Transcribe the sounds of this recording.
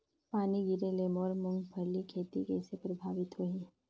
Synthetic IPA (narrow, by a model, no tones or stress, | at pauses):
paːniɡɪɾelemɔːɾmʊ̃ŋɡpʰɐɾlikʰeːt̪ikɛːsepɾɐbʱaːʋɪt̪ɦoiː